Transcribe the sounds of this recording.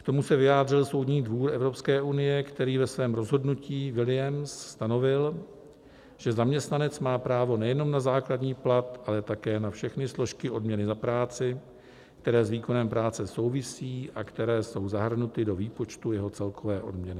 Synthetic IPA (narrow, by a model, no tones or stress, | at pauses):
kt̪o̞musɛvɪjaːdr̝ɪlso̞wdɲiːdvuːɾɛvɾo̞pskɛːʔunɪjɛkt̪ɛɾiːvɛsvɛːmɾo̞zɦo̞dnuciːvɪlɪjɛmsst̪ano̞vɪl | ʒ̥ɛzamɲɛst̪nanɛt͡smaːpɾaːvo̞nɛjɛno̞mnazaːkladɲiːplat̪ʔalɛt̪akɛːnafʃɛxnɪslo̞ʃkɪʔo̞dmɲɛnɪzapɾaːt͡sɪ | kt̪ɛɾɛːzviːko̞nɛmpɾaːt͡sɛso̞wvɪsiːʔakt̪ɛɾɛːso̞wzaɦr̩nut̪ɪdo̞viːpo̞t͡ʃt̪ujɛɦo̞t͡sɛlkʰo̞vɛːʔo̞̰dmɲɛnɪ